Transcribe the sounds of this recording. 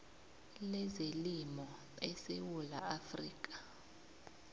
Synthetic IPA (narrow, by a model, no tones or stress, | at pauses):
lɛzelimɔ | ɛsewulaafriːk̬ʼḁ